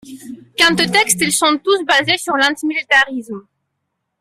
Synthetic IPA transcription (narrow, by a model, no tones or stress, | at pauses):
kɛ̃t̪ət̪ɛkst̪ilsɔ̃t̪usbazesyʁlɛ̃t̪imilit̪aʁism